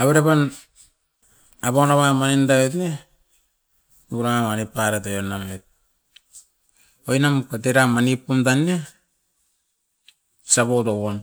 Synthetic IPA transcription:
aβeɾepan | aβonaβamanindaβetne | nuɾaŋamanipaɾatojonamet̚ | ojnamkateɾamanipːumtanːe | saβotowon

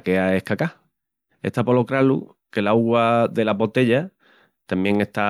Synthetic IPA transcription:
keaehkaka | ḛt̪apolokɾalṵ | ke̞lauɣwaðe̞laβo̞t̪e̞ʎa | t̪amje̞ŋe̞st̪a

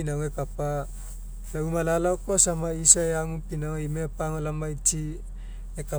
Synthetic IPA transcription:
inaŋekapa | laumalalakosamaisajaŋupinaŋoimepaŋolamait͡ʃi | eka

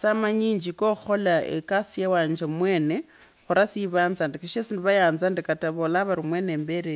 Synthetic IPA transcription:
samaɲiːɲd͡ʒikoxolaḛkasijewaːɲd͡ʒamweːne | xuɾasiβaːnzandikaʃesiːndiβajaːnzandikataβolaβaɾumweːneːmbeɾe

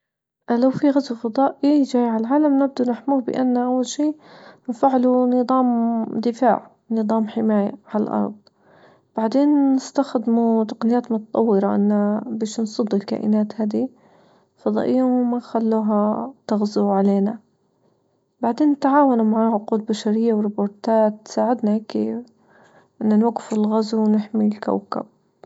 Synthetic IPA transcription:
ʔlawfiɣazufɑd̪ˤɑːʔʔid͡ʒaːjʕalʕaːlamnɪb̚d̪unaħmuːbɪ̰ʔanːaʔawːalʃiːnfaʕlunɨðˤɑːmd̪ɪfa̰ːʕ | nɨðˤɑːmħɪmaːja̰ʕalalʔɑ̰ɾˤd̪ˤ | b̥aʕd̪eːnːɪst̪axd̪mut̪ḁqnɪjaːt̪mʊt̪ɑt̪ˤːɑwːɪɾaʔɪ̰nːabeːʃnsˤɨd̪ːɪlka̰ːʔɪ̰naːt̪haːd̪i | fɑd̪ˤɑ̰ːʔɪjːamaxalːuːɦat̪aɣzuʕaleːna | baʕd̪eːnːɪt̪ʕaːwanumaʕaʕʊquːt̪baʃaɾɪjːawɾˤɪbʊɾt̪aːt̪ːsaːʕɪd̪naheːki | ʔɪnːanwaɡːɪfɪlɣazwwnɪħmilka̰wka̰b̥̚

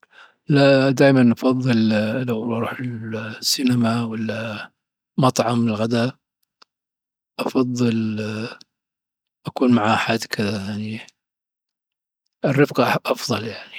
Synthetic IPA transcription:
laʔd̪aːjmanʔɑfɑðˤːɨllawɾˤuɾˤuːħɪlsːinamawɪlːa | mɑt̪ˤʕɑmɪlɣad̪a | ʔɑfɑðˤːɨl | ʔakuːnmaʕaʔħad̪kʰɪðajaʕni | ɪrːɪfqɑʔɑfðˤɑljaʕni̥

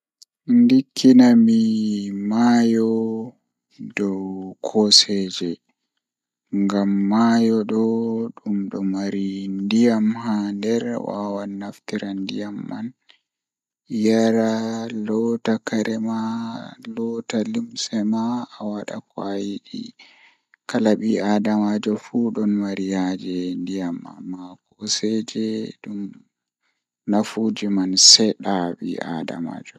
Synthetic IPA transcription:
ndikʰːinamimajɔ | dɔwkʰɔsɛd͡ʒɛ | ŋɡamːajɔɗɔɗumɗɔmaɾindijamhandɛɾwa̰wanːaftiɾandijamːan | jaɾalɔtakaɾɛmalɔtalimsɛmaːwaɗakwajiɗi | kalaɓiadamad͡ʒɔfuɗɔnmaɾijad͡ʒɛndijamːa̰nːakosed͡ʒɛɗum | nafud͡ʒimansɛɗaɓḭa̰da̰ma̰ːd͡ʒɔ

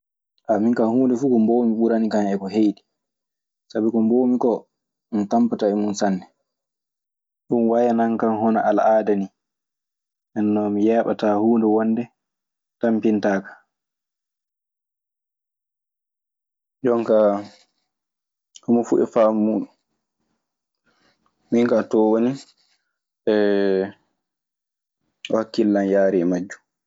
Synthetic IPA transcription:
ʔamiŋkahuːndɛfuːkɔmbomiɓuɾanikanɛkɔɦejɗi | sabikɔmboːmikɔ | mtampataɛmunsanːɛ | ɗumwajanaŋkanhɔnaalaːdani | ʔɛnːɔmijɛːɓa̰taːhuːndɛwɔnːdɛ | tampintaːkḁ | d͡ʒɔŋka | kɔmɔfuɛfaːmmuːɗun | miŋkatɔːwoni | ɛ | ʔɔhakːilːanjaːɾɛmad͡ʒːu̥

